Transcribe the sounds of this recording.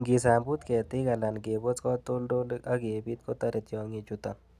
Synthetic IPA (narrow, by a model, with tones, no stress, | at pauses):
ɡi˨s̬a˨mbu˦t̪kɛ˨t̪i˦ɡɐ˨la˨nɡe˨bɔ˦t͡skɔ˦t̪o˦lɖo˦lɐ˦ɡeː˨bi˦t̪̚kɔ˦t̪ɐ˦ɾi˨t̪jɔː˨ŋi˧t͡ʃut̪a˨n